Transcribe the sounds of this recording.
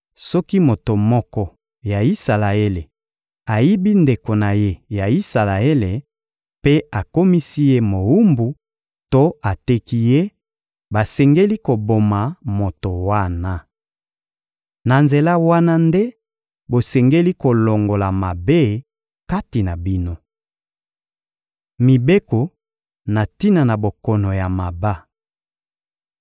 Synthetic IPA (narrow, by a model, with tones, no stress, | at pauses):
sɔ˦ki˦mo˨to˨mɔ˦kɔ˦ | ja˨i˦sa˨la˨e˦le˨ | a˨ji˦bi˦nde˨ko˨na˨je˦ja˨i˦sa˨la˨e˦le˨ | pe˦a˨ko˦mi˦si˦je˦mo˨wu˦mbu˨ | to˦a˨te˦ki˦je˦ | ba˨sɛ˨ŋɡe˦li˦ko˨bo˨ma˨mo˨to˨wa˦na˨ | na˨nze˨la˦wa˦na˦nde˦ | bo˨sɛ˨ŋɡe˦li˦ko˨lo˨ŋɡo˨la˨ma˨be˦ | ka˦ti˨na˨bi˦no˦ | mi˨be˦ko˨ | na˨ti˦na˨na˨bo˨kɔ˨no˨ja˨ma˨ba˦